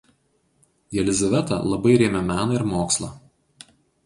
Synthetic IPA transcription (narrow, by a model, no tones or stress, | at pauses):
d̪ʲɛlʲɪzɐʋʲɛt̪ɐ̰lˠɐbɐɪɾʲeːmʲɛmʲæːnɐɪɾmoːkslˠɐ̰ː